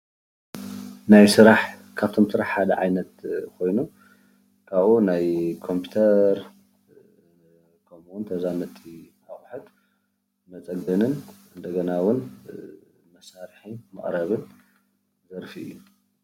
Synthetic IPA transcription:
najsɨɾaħkʰaβt̪ʰomsɨɾaħħad̪ɐ̰ʕajnɐt̪̚kʰo̞jnu | kʰaβʔunajkʰo̞mpʰut̪ʰɐɾ | kʰɐmuwunt̪ʰɐzamɐt̪ʰʼːiʔaχʼħɨt̪ | mɐt͡sʼɐɡɐnɨnʔɨnd̪ɐɡɐnawʊn | mɐsaɾħimɐχʼɾɐβɨn | zɐɾfiɨ̰jːu

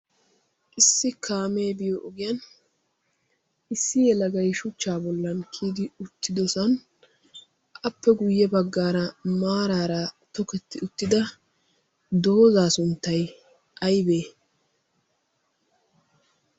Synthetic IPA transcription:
ʔɪsːɪkʰaːmeːbɪjɔʔɔɡɪjɐn | ʔɪsːɪjɛlɐɡɐjʃʊt͡ʃːaːbɔlːɐnkʰiːd̪ɪʊt̪ʰːɪd̪ɔsɐn | ʔɐpːɛɡʊjːɛbɐɡːaːɾɐmaːɾaːɾɐt̪ɔkɛt̪ːɪʊt̪ːɪd̪ɐ | d̪o̞ːzaːsʊnt̪ːɐj | ʔɐjbe̞ː

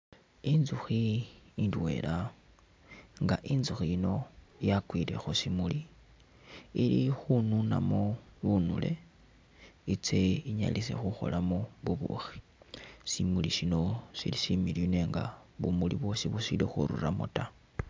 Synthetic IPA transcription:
inzuxiːndwḛla | ŋɡaʔinzuxiino̞jakwile̞xusimuli | ilixununamoβunule̞̰ | it͡se̞iɲa̰lise̞̰xuxo̞̰lʔamoβuβṵxi̥ | simulisino̞sḭlisimiline̞ŋɡaβumuliβwo̞siβusilixṵɾṵramuta

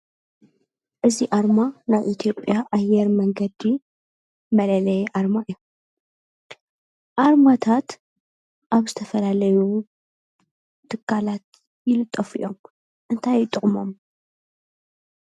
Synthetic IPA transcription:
ʔɨziʔaɾmanaβʔit̪ʰjo̞pʼːjaʔajɛɾmɐŋɡɐd̪i | mɐlɐlɐjɛʔaɾmaɨjːom | ʔaɾmat̪ʰat̪ | ʔaβzɨt̪ʰɐfɐlalɐju | t̪ʰːɨkʰːalat̪̚ | jɪlɨt̪ʼːɐfḭjʔo̞m | ʔɨnt̪ʰajɪt̪ʼːɨχʼmo̞m

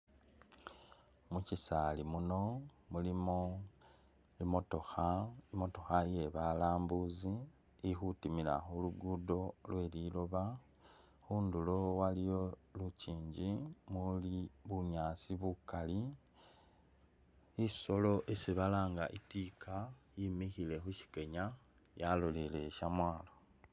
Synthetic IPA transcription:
mucisalimuno̞mulimo | imotoxaimo̞to̞xaje̞βalaːmbuziː | xutimila̰xuluɡudo̞lwe̞ːliːlo̞βa | xuːndulo̞walijo̞luciːɲɟimuliβuɲaːsiβukali | iso̞lo̞ʔesiβalaːŋɡaʔitikʰajimixile̞xuʃi̥ke̞ɲa | jalolele̞ʃamwaːlo̞

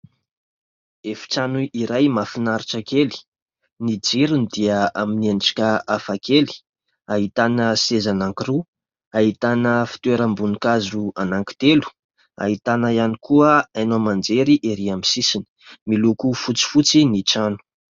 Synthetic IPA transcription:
efi̥ʈ͡ʂanuiɾajmafinaɾiʈ͡ʂakeli̥ | nid͡ziɾunid̪iaaminianʈ͡ʂi̥kʲaafakeli̥ | aɦit̪anəsezanaŋkiru | aɦit̪anəfi̥t̪weɾəmbunikazuanaŋki̥t̪elu̥ | a̰ɦit̪anajanikuəanomand͡zeɾiʔeɾiamisisini̥milukufut͡si̥fut͡siniʈ͡ʂanu̥

